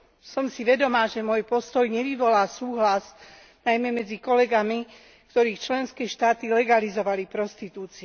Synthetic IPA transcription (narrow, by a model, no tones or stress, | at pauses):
sɔmsiʋɛd̪ɔmaːʒɛmɔjpɔst̪ɔjɲɛʋiʋɔlaːsuːɦlaz | najmɛmɛd͡zikɔlɛɡami | kt̪ɔɾiːxt͡ʃlɛnskɛːʃt̪aːt̪ilɛɡalizɔʋalipɾɔst̪it̪uːt͡siɛ